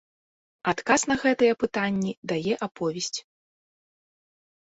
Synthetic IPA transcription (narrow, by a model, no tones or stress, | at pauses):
at̪kasn̪ɐɣɛt̪ɨjɛpɨt̪anʲːid̪ajɛʔapʰɔvʲɛsʲt͡sʲ